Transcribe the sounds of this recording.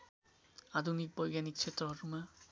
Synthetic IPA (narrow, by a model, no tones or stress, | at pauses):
ad̪ʱunik̚bɔjɡanik̚t͡ʃʰet̪ɾɔɦʌɾuma